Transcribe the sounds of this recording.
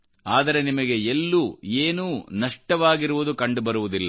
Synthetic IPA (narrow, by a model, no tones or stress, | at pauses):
aːd̪ɐɾe̞nimɐɡe̞elːuːeːnuːnɐʂʈɐʋaːɡiɾuʋud̪ukɐɳɖubɐɾuʋud̪ilːɐ